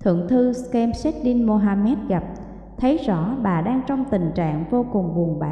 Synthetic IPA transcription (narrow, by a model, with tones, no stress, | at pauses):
t̪ʰɨ̰˧˨əŋt̪ʰɨ˧skɛ˧msɛ˦˥t̚ɗi˧nmo˧ɦaː˧mɛ˦˥t̚ɣa˨˩p̚ | t̪ʰə˨˦jzɔ̰˧˥ɓaː˨˩ɗaː˧ŋt͡ɕɔ˧wŋ͡mt̪ï˨˩ŋ̟t͡ɕa̰ː˧˨ŋvo˧kʊ˨˩ŋ͡mvu˨˩əŋɓa̰ː˧˨